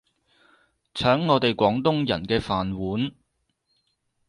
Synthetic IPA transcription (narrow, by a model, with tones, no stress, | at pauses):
t͡sʰœː˨˥ŋːɔː˨˧t̪e˨jkʷɔː˨˥ŋt̪ʊ˥ŋjɐ˨˩nkɛː˧faː˨nwuː˨˥n